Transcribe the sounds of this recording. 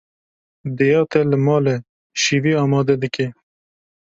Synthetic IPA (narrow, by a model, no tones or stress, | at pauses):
d̪ɛjɑːt̪ɛlɨmɑːlɛ | ʃiːviːɑːmɑːd̪ɛd̪ɨkɛ